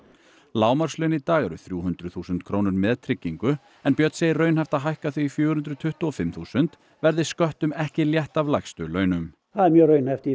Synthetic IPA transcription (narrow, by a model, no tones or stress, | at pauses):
laːwmaɾ̥slœɥnit̪aːɣɛɾʏ̰θɾjuːhʏnt̪ɾʏθuːsʏnt̪̚kʰɾoːwnʏɾmɛðt̪ʰɾɪcːiŋkʏ | ɛnpjœt̪seːjɪrrœɥnhɛjft̪aɦajhkaθɥiːfjœːɣhʏnɾʏðt̪ʰʏht̪ʊɔfɪmθuːsʏnt̪ | vɛɾðɪskœht̪ʏmɛhcɪljɛht̪avlajxst̪ʏlœːɥnʏm | θaðɛɾmjœːɾœɥnhɛft̪i